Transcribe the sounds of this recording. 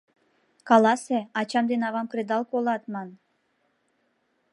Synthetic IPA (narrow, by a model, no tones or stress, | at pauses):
kɑlɑseɑt͡ɕɑmd̪enɑβɑmkɾed̪ɑlˠkolˠɑt̪mɑn